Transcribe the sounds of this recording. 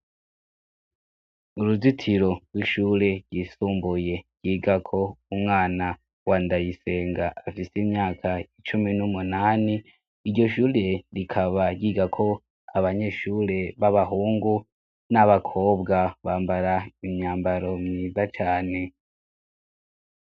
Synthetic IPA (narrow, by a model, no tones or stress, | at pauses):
uɾuzitʰiɾo̞̥wiʃuɾe̞ɾɟisuːmbuje̞ɾ̥ɟ̥iːɡakʰo̞umŋaːna | waːndajise̞ːŋɡaːfisimɲaːkʰait͡ʃuminumunaːniː | ɾɟo̞ʃuːɾe̞ɾikʰaβaɟiːɡakʰo̞ | aβaɲe̞ːʃuːɾe̞βaβaɦuːŋɡu | naβakʰo̞ːbɡaβaːmbaɾaimɲaːmbaɾo̞mŋiːzat͡ʃaːne̞